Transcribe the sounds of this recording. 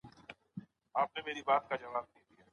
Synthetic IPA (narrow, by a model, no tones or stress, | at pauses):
aːp̚nemeːɾibaːt̪̚kad͡ʒɐʋaːb̚nĩd̪ijaː